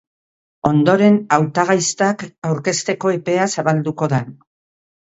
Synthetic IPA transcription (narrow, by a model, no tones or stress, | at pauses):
o̞nd̪o̞ɾe̞nawt̪aɣ̞ajst̪akawɾke̞st̪e̞ko̞e̞pe̞asaβald̪uko̞ðan